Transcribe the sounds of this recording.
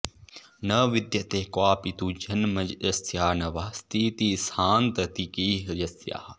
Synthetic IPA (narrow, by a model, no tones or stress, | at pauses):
nɐʋid̪jɐt̪eːkwaːpit̪uːd͡ʒɐnmɐd͡ʒɐsjaːnɐʋaːst̪ʰiːt̪isaːnt̪ɐt̪ikiɦjɐsja̰ː